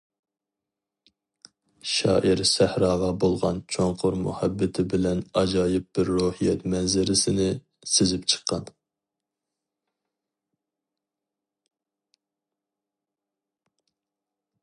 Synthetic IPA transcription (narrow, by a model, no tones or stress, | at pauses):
ʃɑ̰ːʔɪɾsæhɾɑːʁɑbolˠʁɑ̰nt͡ʃʰoŋqʰʊɾmṵhæbːɪt̪ʰɪbɪlɛnɑd͡ʒɑːjɪp̚b̥ɪɾːohijɛt̪mɛnzɪɾɪsɪnɪ | sɪzɪpt͡ʃʰə̥qʰːɑn